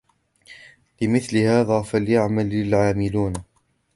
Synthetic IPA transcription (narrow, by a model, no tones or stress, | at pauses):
lɪmɪθlɪhaːðaːfaljaʕmalːɪlʕaːmɪluːn